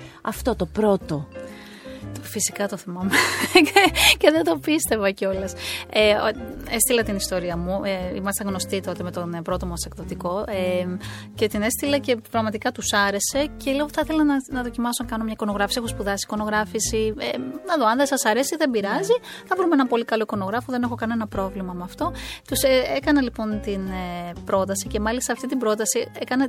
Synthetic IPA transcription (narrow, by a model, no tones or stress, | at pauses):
ɐ̰ft̪o̞t̪opɾo̞t̪o̞ | t̪fisikɐt̪oθimɐme | ce̞ðed̪opist̪e̞vɐceo̞lɐseest̪ilɐt̪inist̪o̞ɾiɐmueimɐst̪ɐ̃ɣno̞st̪it̪o̞t̪e̞met̪onpɾo̞t̪omɐsekðot̪iko̞ʔece̞t̪ine̞st̪ilɐce̞pɾɐɣmɐt̪ikɐt̪usɐɾe̞se̞celioθɐθelɐnɐnɐðo̞cimɐsonɐkɐno̞mɲɐiko̞no̞ɣɾɐfisieospuðɐsi̥ko̞no̞ɣɾɐfisienɐðo̞ɐnðesɐsɐɾe̞siðembiɾɐziθɐvɾumeenɐpo̞likɐlo̞iko̞no̞ɣɾɐfoðe̞ne̞xo̞kɐne̞nɐpɾo̞vlimɐmeɐft̪o̞t̪useekɐnɐlipo̞nt̪inepɾo̞t̪ɐsice̞mɐlist̪ɐːft̪it̪ibɾo̞t̪ɐsiekɐnɐ